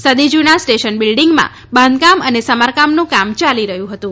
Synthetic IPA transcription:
səd̪id͡ʒunasʈeʃənbɪlɖiŋɡmã̰ | bənd̪kamənesəmaɾkamnũkamt͡ʃaliɾəɦjũɦət̪ũ

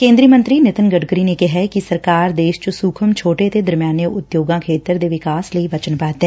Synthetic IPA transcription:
kẽːnd̪ɾijəmə̃nt̪ɾiːnɪt̪ənɡəɖɡɾiːneːkɛɦɛkisəɾkaːɾd̪eːʃt͡ʃsuːkʰəmt͡ʃʰoːʈet̪eːd̪əɾmjaːnjəʔʊt̪joːɡãːkʰeːt̪əɾd̪eːʋɪkaːsləiʋət͡ʃənpaːt̪ɦɛ̃

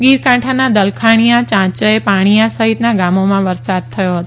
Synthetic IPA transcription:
ɡiɾkãʈʰanad̪əlkʰaɽ̃ijãt͡ʃãt͡ʃəepaɽ̃ijãsəɦit̪naɡamomãʋəɾsad̪̚t̪ʰəjoɦət̪o

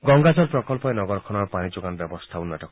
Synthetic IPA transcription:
ɡɔŋɡad͡ʒɔɾpɾɔkɔlpɔenɔɡɔɾɔkʰɔnɔɾɔpañid͡ʒuɡanɔbjɔbɔst̪ʰaunaʈɔk

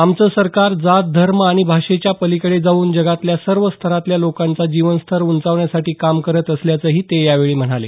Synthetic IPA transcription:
amt͡səːsəɾkaɾd͡zat̪̚d̪ʱəɾməaɽ̃ibʱaʂet͡ɕjapəlikəɭed͡zauːnd͡ʑəɡat̪ljasəɾʋəst̪ʰəɾat̪ljalokãnt͡sad͡ʑiʋənst̪ʰəɾunt͡saʋɳjasaʈiːkamkəɾət̪əsljat͡səːɦiːt̪ejaʋeɭiːm̤əɽ̃ale

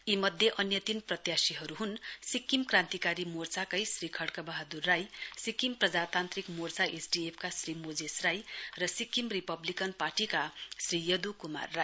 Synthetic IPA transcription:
imʌd̪ʱjeʔʌnjʌt̪inprʌt̪jasiɦʌɾuɦunsikːimkrãnt̪ikaɾimort͡sakʌjsrikʰʌɽkʌbaɦad̪urːajsikːimprʌd͡zat̪ant̪rikmort͡saʔesɖiepʰkasrimod͡zesrajrʌsikːimripʌblikʌnparʈikasrijʌd̪ukuma̰rːaj

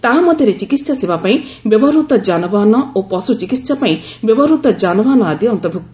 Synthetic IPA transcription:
t̪aɦamɔd̪ʱjɔɾet͡ʃikit̪sasibʱapaĩ | bjɔbɔɾut̪ɔd͡ʒanɔbanɔopɔsut͡ʃikit̪sapaĩ | bjɔbɔɾut̪ɔd͡ʒanɔbanɔad̪iɔnt̪ɔbʱuk̚t̪

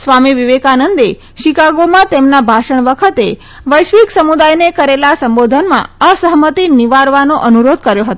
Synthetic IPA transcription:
sʋamiʋiʋekanənd̪e | ʃikaɡomãt̪emnabʱaʃəɳʋəkʰət̪e | ʋəjʃʋiksəmud̪ajnekəɾelasəmbod̪ʱənmã̰əsəɦmət̪iniʋaɾʋanoʔənuɾod̪̚ʱkəɾjoɦət̪o

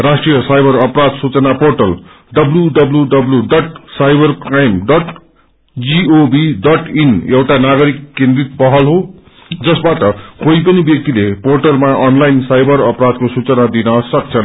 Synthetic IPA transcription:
rasʈrijʌsajbʌɾʌprad̪sut͡sʌnaporʈʌl | ɖʌbljuɖʌbljuɖʌbljuɖʌʈsajbʌrkaemɖʌʈ | d͡ziobiɖʌʈinewʈanaɡʌɾikːẽnd̪rit̪̚pʌɦʌlɦo | d͡zʌsbaʈʌkoipʌnibjʌk̚t̪ileporʈʌlmaʔʌnlajinsajbʌɾʌprad̪̚kosut͡sʌnad̪inʌsʌk̚t͡sʰʌn

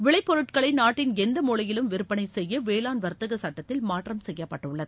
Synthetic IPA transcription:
ʋɪɭɐɪpːɔɾɯʈkɐɭɐɪnaːʈːɪnɛnd̪ɐmuːɭɐjɪlɯmʋɪɾɯpːɐnɐɪsɛjːɐʋeːlaːnʋɐɾt̪ːɐɣɐsɐʈːɐt̪ːɪlmaːʈːrɐmsɛjːɐpːɐʈːɯɭːɐðɯ

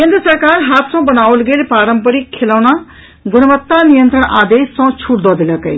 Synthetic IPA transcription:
kend̪ɾəsʌɾkarɦat̪sʌ̃bʌnawlɡelpaɾʌmpəɾikʰelawna | ɡunʌbʌt̪ːanijʌnt̪ɾəɳ̃ad̪esːʌ̃t͡sʰuɽd̪ɔd̪elʌkʌj

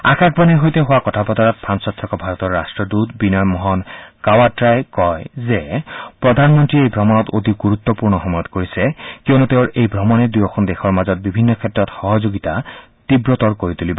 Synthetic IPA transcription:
a̰kak̚ʰbanɛɦojt̪eɦowakɔtʰapɔt̪aɹɔt̪̚pʰansɔt̪ʰːɹɔkɔbʱaɹɔt̪ɔɹːastɹɔdut̪binɔjmɔɦɔnkawatɹajkɔjzepɹɔd̪ʱanmɔntɹiejbʱɔmɔnɔt̪od̪iɡuɾut̪ːɔpuɹnɔɦɔmɔjɔt̪koɹisekionut̪eʊɹejbʱɹɔmɔned̪ujɔkʰɔnd̪exɔɹmazɔt̪̚bibʱinːɔkʰɛtːɹɔt̪xɔɦɔzoɡit̪a | t̪ibɹɔt̪ɔɹkoɹit̪ulibɔ

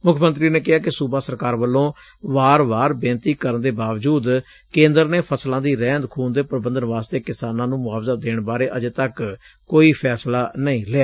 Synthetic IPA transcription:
mʊkʰmənt̪ɾiːneːkɪɦaːkɪsuːbaːsəɾkaːɾʋəlːõː | ʋaːɾʋaːɾbẽːnt̪iːkəɾənd̪eːbaːʋd͡ʒuːd̪ | kẽːnd̪əɾneːpʰəslãːd̪iːɾɛ̃ːnd̪kʰuːnd̪eːpɾəbənd̪ənʋaːst̪eːkɪsaːnãːnũːmʊaːfzad̪eːɳbaːɾeːʔəd͡ʒt̪ək | koːiːpʰɛːslaːnəĩːleaː

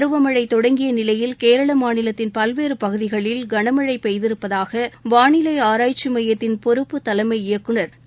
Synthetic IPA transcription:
ɾɯʋɐmɐɻɐɪt̪ːɔɽɐŋɡɪjɐnɪlɐjɪlkeːɾɐɭɐmaːnɪlɐt̪ːɪnpɐlʋeːɾɯpɐɣɯðɪɣɐɭɪlɡɐɳɐmɐɻɐɪpːɛjðɪɾɯpːɐðaːɣɐʋaːɳɪlɐɪaːɾaːjt͡ʃːɪmɐjɐt̪ːɪnpɔɾɯpːɯt̪ɐlɐɪmɐɪɪjɐkːɯɳɐɾ

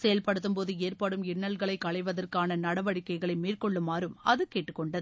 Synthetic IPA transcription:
sɛjɐlpɐɽɯt̪ːɯmpoːðɯeːrpɐɽɯmɪɳːɐlɣɐɭɐɪkːɐɭɐɪʋɐðɐrkaːnɐnɐɽɐʋɐɽɪkːɐɪɣɐɭɐɪmiːrkɔɭːɯmːaːɾɯmɐðɯkːeːʈːɯkːɔɳɖɐðɯ

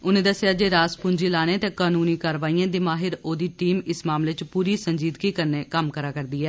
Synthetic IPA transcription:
ʊnẽːd̪əsɪjaːd͡ʒeːɾaːspʊɲd͡ʒiːlaːneːt̪ẽːkaːnuːniːkaːɾʋaːiːãːd̪iːmaːɦɪɾoːd̪iːʈiːmɪsmaːmleːt͡ʃpuːɾiːsəɲd͡ʒiːd̪kiːkəɾneːkəmkəɾaːkəɾd̪iːɛː

